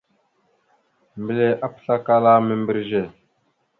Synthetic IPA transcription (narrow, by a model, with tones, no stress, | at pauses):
mbə˨le˦ʔa˦pə̥˨ɬa˦ka˦la˦mə˦˨mbi˦ɾʒe˨